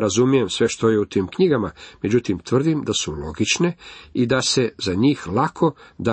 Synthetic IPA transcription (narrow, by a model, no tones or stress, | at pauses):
ɾazumije̞msʋe̞ʃt̪o̞jeut̪iːmkɲiɡamame̞d͡ʑut̪imt̪ʋr̩d̪imd̪asulo̞ɡit͡ʃne̞id̪ase̞zaɲiːxlˠakʰo̞d̪a